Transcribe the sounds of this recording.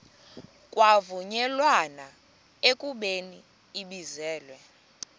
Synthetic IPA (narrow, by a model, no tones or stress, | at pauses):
kʼwavuɲɛlwana | ekʼuɓeniː | ɓizɛːlwɛ